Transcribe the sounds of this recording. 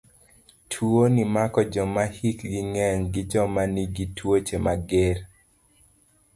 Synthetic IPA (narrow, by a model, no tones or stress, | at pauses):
tʰwuonimakɔd͡ʒɔmahikɡiŋɛŋɡɪd͡ʒɔmaniɡitʰwot͡ʃemaɡeɾ